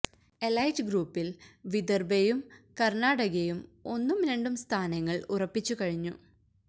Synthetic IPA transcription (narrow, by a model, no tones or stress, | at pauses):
e̞lɐjd͡ʑɡɾuːpːilʋid̪ɐrbejumkɐrnaːɽɐɣejumo̞nːumɾeɳɖumst̪ʰaːnɐŋːɐɭurɐpːit͡ɕːukɐɻiɲːṵ